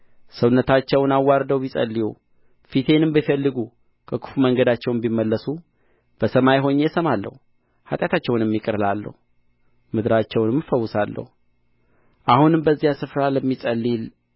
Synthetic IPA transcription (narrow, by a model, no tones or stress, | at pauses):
səwnːət̪ʰat͡ʃːɛwnawːaɾd̪əwbisʼə̰lːiju | fit̪ʰe̞nɨmbəfəlːɨɡu | kʰəkʰu̥fuməŋɡəd̪at͡ʃːɛwmbimːəlːəsu | b̥əsəmajɦo̞ɲːesəmalːə̰hu | hat̪ʼjat̪ʰat͡ʃːɛwnjɛmːikʼɨɾlalːə̰hu | mɨd̪ɾat͡ʃːɛwnmːɨfəwːʊsalːə̰hu | ʔahunɨmbəzːijasɨfɾaləmːisʼəlːil